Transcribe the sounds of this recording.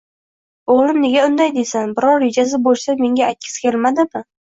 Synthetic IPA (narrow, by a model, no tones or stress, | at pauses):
oʁlˠɪmne̞ɡʲaʊnd̪ajd̪esanbɪɾɒɾːe̞d͡ʒas̬ɪbolsame̞ŋɡʲaːt̪̚ʲkʲʰɪ̥skʲʰelmad̪ɪmɪ